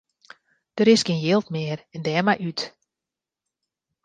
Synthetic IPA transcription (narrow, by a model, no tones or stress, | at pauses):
d̥əɾɪskɪnjɪlˠtmɪːərɛndɛːmajyt